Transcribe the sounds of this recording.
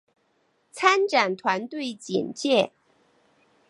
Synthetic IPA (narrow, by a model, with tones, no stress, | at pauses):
t͡sʰa˥nʈ͡ʂa˨˩nt̪ʰwa˧˥nt̪we˥˩ɪt͡ɕḭ˨˩nt͡ɕjɛ˥˩